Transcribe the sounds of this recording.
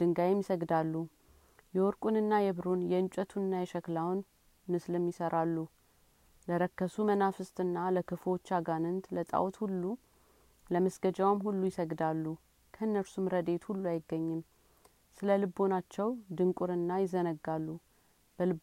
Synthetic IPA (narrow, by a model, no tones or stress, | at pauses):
d̪̥ɨŋɡajɛmjɪsəɡd̪alːu | jɛwɔɾkʼunɨnːajɛβɾunjɛɨnt͡ʃʼət̪ʰunːajɛʃəklawn | mɨslɨmːjɪsəɾʔalːu | ləɾəkːəsumənafɨst̪ʼɨnːaləkɨfot͡ʃːaɡanɨnt̪lət̪ʼa̰wt̪hulːu | ləməsɡ̥əd͡ʒawamhulːujɪsəɡd̪alːu | kʰəɨnːəɾsumɾəd̪e̞t̪hulːuajɪɡːəɲːɪm | sɨləlɨbo̞nat͡ʃːɛwd̪ɨŋkʼuɾɨnːajɪzənəɡːalːu | b̥əlɨb